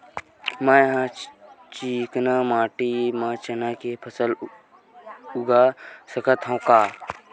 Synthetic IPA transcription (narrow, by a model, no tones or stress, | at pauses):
mãɦãt͡ʃiːknamaːʈimãt͡ʃɐnakepʰəsəl | ʊɡasɐkət̪ɦãwkaː